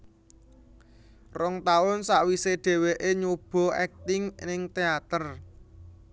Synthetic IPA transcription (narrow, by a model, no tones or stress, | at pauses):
rɔŋt̪aʊnsaʔwiseɖ̪̥e̤weʔeɲub̥ɔ̤ɛk̚t̪ɪŋnɪŋt̪eat̪ər